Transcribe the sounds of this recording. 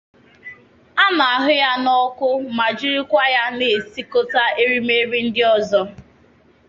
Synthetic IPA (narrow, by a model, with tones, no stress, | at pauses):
a˦na˨a˨ɦʊ˦ja˦nɔ˦kʊ˦ma˨d͡ʒi˦ɾi˦kʷa˦ja˦ne˨si˦ko˦ta˦e˦ɾi˦me˦ɾi˦n̩˦dɪ˦ɔ˦zɔ˦